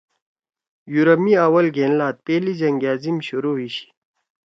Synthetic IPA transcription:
juɾɐmiaːwɐlɡʱeːnlaːt̪̚peːlid͡ʑɐŋɡaːzimɕuɾoːwiɕi̥

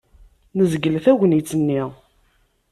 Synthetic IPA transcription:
nəzɡəlθæʝʷənit͡sːənːi

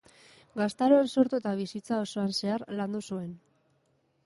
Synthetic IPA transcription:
ɡast̪aɾoanso̞ɾt̪uet̪aβ̞isit͡sao̞so̞anse̞aɾland̪usue̞n

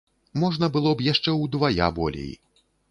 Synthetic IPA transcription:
mɔʐnɐbɨlˠɔbjaʂt͡ʂɛwd̪vaja̰bɔ̰lʲḛj

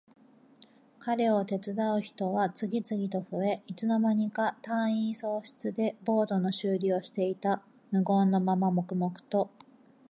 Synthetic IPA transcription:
kaɾe̞o̞t̪e̞t͡sɨd̪aɯ̟çi̥t̪o̞βat͡sɨɡʲit͡sɨɡʲit̪o̞ɸɯ̟e̞ʔit͡sɨno̞maɲ̟ikat̪ãɰ̃iːso̞ːɕi̥t͡sɨd̪e̞bo̞ːd̪o̞no̞ɕɨːɾʲioɕi̥t̪e̞it̪a | mɯ̟ɡo̞nːo̞mamamo̞kɯ̟mo̞kɯ̟̥t̪o̞

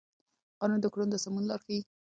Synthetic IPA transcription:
qɑnund̪əkɽund̪əsamunlɑɾxei

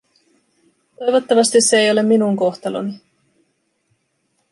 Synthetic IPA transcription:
t̪o̞jʋo̞t̪ːɑʋɑst̪isːeejo̞le̞mːinuŋko̞xt̪ɑlo̰ni

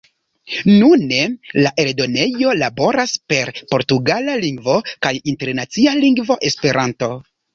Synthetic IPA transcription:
nune̞laʔe̞ldo̞ne̞jo̞labo̞ɾaspe̞ɾpo̞ɾtuɡalaliŋɡvo̞kajinte̞ɾnat͡sialiŋɡvo̞ʔe̞spe̞ɾʔanto̞

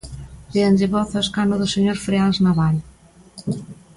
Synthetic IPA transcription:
beand͡ʒeβɔθaskanoðoseɲoɾfɾealznaβal

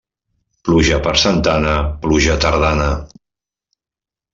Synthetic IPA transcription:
pluʒəpəɾsənt̪anəpluʒət̪əɾð̞anə

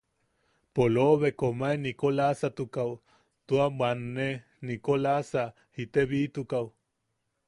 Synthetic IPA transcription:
poloβekomaenikolasat̪ukaw | t̪uabanːe | nikolasa | hit̪eβit̪ukaw

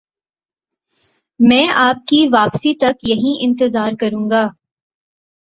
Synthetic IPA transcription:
mɛ̃ːaːp̚kiʋaːpsit̪ɐkjɐɦĩɪ̃nt̪ɪzaːɾkɐɾũːŋɡaː

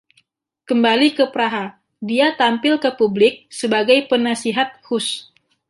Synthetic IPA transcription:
kəmbalikəpɾaɦa | diat̪ampɪlkəpublɪk̚səbaɡajpənasiɦat̪̚hʊs

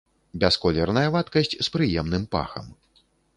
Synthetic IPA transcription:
bʲɛskɔlʲɛrnɐjɐvat̪kɐsʲt͡sʲspɾɨjɛmn̪ɨmpa̰xɐ̰m

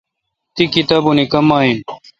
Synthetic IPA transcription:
t̪ikit̪aːbunikɐmaːɦin

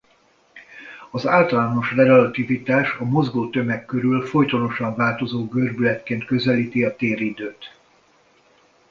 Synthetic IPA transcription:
ɒzaːlt̪ɒlaːno̞ʃrɛɡɛlɒt̪ivit̪aːʃɒmo̞zɡoːt̪ø̞mɛkkːøɾylfo̞jt̪ono̞ʃɒɱvaːlt̪o̞zoːɡørbylɛt̪keːnt̪kø̞zɛliːt̪iɒt̪eːɾid̪øːt̪

